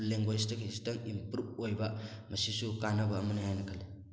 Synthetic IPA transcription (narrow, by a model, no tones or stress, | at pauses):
leŋɡojs̬tɐkʰisitɐŋimpɾup̚ojbɐmɐsisukanɐbɐːmɐnihajnɐkʰali